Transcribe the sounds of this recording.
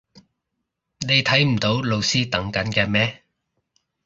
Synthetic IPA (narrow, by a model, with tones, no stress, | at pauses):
ne˨˧jt̪ʰɐ˨˥jm̩˨˩t̪o˨˥wlo˨˧wsiː˥t̪ɐ˨˧˥ŋkɐ˨˥nkɛː˧mɛː˥